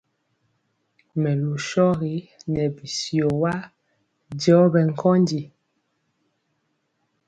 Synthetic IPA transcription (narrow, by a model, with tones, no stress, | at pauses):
mɛ˨lu˨ʃɔ˦ɣi˨˦nɛ˨bi˨si˨o˨wa˦ | dɔ˨˦bɛ˨ŋ̩˨kʰɔ˦ndi˨